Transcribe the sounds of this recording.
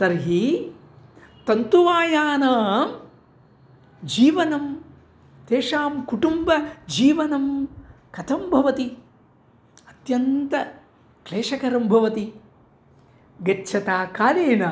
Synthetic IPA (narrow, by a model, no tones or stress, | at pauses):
sɐɾɦi | t̪ɐnt̪uʋaːjaːnaːm | d͡ʒiːʋɐnɐm | t̪eːʂaːmkuʈumbɐd͡ʒiːʋɐnɐmkɐt̪ʰɐmbʱɐʋɐt̪i | ɐt̪jɐnt̪ɐ | kleːʂɐkɐɾɐmbʱɐʋɐt̪i | ɡɐtːʃʰɐt̪aːkaːleːnɐ